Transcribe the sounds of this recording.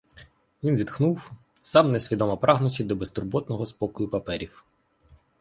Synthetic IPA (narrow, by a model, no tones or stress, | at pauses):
ʋʲinzʲid̪xnuw | sɑmnesʲʋʲid̪ɔmɐpɾʔɑɦnʊt͡ʃɪd̪ɔbest̪ʊrbɔt̪nɔɦɔspɔkʊjʊpɐpɛɾʲiw